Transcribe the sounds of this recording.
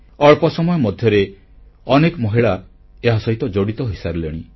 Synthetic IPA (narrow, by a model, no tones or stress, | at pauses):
ɔɭpɔsɔmɔjɔmɔd̪ʱjɔɾe | ɔnekɔmɔɦiɭa | eɦasɔɦit̪ɔd͡ʒoɽit̪ɔɦisaɾuleɽ̃i